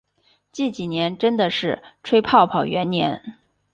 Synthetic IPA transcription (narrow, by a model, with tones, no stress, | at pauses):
t͡ɕi˥˩t͡ɕi˨˩njɛ˧˥nʈ͡ʂə˥nd̪ə˨ʂɻ̩˥˩ʈ͡ʂʰwe˥ɪpʰɑ˥˩ʊpʰɑ˨˩ʊɥɛ˧˥nnjɛ̰˧˥n